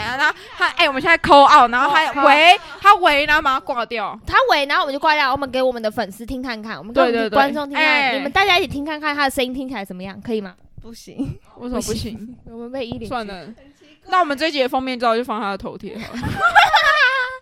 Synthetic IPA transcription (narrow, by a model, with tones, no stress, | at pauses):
na˥˩ | t̪ʰa˥ʔe˥˩ɪwɔ˨mə˦˩ɕɛ˥˧˩a˥˩kʰo˥ʊɑ˥˩ʊna˧˥xo˥a˥˨we˧˦ɪt̪ʰa˦˥we˧˥ɪna˧˥ma˨˧kwa˥˧t̪jɑ˥˨ʊt̪ʰa˥we˧˥ɪn˧xo˥˨˦t͡ɕo˥˧kwa˥˧jmə˦ŋke˧ɪwɔ˨˩mə˨˦nd̪ə˧fə˨˩nsɹ̩˥t̪ʰi˧˥ŋkʰa˥˧nkʰa˥˩nwɔ˨˩mə˦˧t̪wt̪we˥˧t̪kwa˥ʈ͡ʂo˥˧ŋt̪ʰi˥a˥˩˨mə˦t̪a˥˩t͡ɕja˥i˥t͡ɕʰi˨˩t̪ʰi˥ŋkʰa˥˧nkʰa˥˩nt̪ʰa˥d̪ə˨˩ʂə˥ni˥ŋnt̪ʰi˥ŋt͡ɕʰi˨la˧˦ɪʂə˨˩˦mə˦jɑ̰˥˩ŋkʰɤ˧˥i˨˩ma˦ | pu˧˩ɕḭ˧˦ŋwɔ˧˥sə˨ɔ˧˩˥pu˧˥˩ɕi˨˧˦ŋɔ˨˩mə˧˦nwe˥˧ɪi˥li˨swa˥˧˨nə˨˦ | na˥˩wɔ˨˩mə˨˦nt͡swe˥˧ɪt͡ɕi˥˩ə˨˩fɑ˥ŋmjnʈ͡ʂ̩̪˥˧˩t͡ɕjo˥˧fɑ˥˧ŋt̪ʰa˦˥d̪ə˩t̪ʰo˧˦ʊt̪ʰjɛ̰˧˥˨